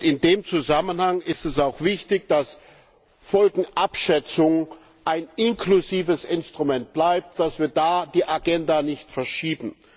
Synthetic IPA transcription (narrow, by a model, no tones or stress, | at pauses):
ɪndeːmt͡suzamənhaŋɪstɛsaʊxv̥ɪçtɪçd̥as | fɔlɡŋ̩ʔapʃɛt͡sʊŋ | ʔaɪnɪnkluziːvəsɪnstʁ̥umɛnt̚b̥laɪp̚td̥asv̥iːɐdaːd̥iːʔaɡɛndanɪçtfɛɐʃiːbm̩